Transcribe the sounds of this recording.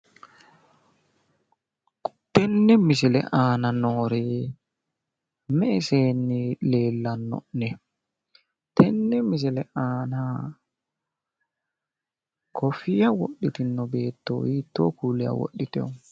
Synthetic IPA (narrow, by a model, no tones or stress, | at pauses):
tɛnːɛmisilɛ̰ʔaːnanɔːɾɛ | mɛsɛnːilɛlːanɔ̰nɛ | tɛnːɛmis̬ilɛʔaːna | kʰɔfijawoɗːitinːɔbɛtːo̰witːɔ̰kulɛa̰wo̰ɗːitɛ̰